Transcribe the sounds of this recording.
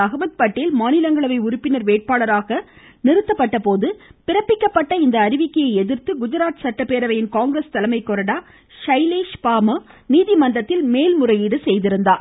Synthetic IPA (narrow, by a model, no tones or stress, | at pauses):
ɐɣɐbɐt̪̚pɐʈːɪlmaːnɪlɐŋɡɐɭɐʋɐɪʊɾʊpːɪnɐɾʋeːʈ̚paːɭɐɾaːɣɐ | nɪɾɯt̪ːɐpːɐʈːɐpoːðɯpɪrɐpːɪkːɐpːɐʈːɐɪnd̪ɐːɾɪʋɪkːɐjɐɪɛðɪɾt̪ɯɡʊd͡ʒɐɾaːt̪sɐʈːɐpːeːɾɐʋɐjɪnkaːŋɡɾest̪ɐlɐmɐɪkːɔɾɐɽaː | ʂɐɪleːʂpaːmɐniːðimɐnd̪ɐt̪ːɪlmeːlmʊrɐjɪɽɯsɛjðɪɾɯnd̪aːɾ